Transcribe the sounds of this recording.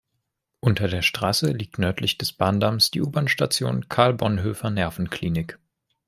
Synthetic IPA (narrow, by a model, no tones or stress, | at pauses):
ʔʊntɐdeːɐʃtʁ̥aːsəliːk̚tnœɐtʰlɪçd̥ɛsb̥aːndamsd̥ḭːʔuːbɐnʃtat͡sjo̰ːnkʰaɐlbɔnɦøːfɐnɛɐfn̩kʰl̥iːnɪk